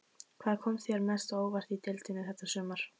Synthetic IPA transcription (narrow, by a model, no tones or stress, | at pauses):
kʰvaːðkʰɔmθjɛɾmɛst̪aoːwvar̥t̪it̪ɪlt̪ɪnɪθɛt̪ːḁsʏːmaɾ̥